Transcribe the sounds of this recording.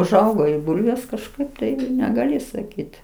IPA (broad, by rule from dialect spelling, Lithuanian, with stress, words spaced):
ʊʒˈɐʊɡoː ɪ ˈbʊlʲʋʲeːs kɐʃˈkɐɪp tɐɪ nʲɛɡɐˈlʲɪ sɐˈkʲiːt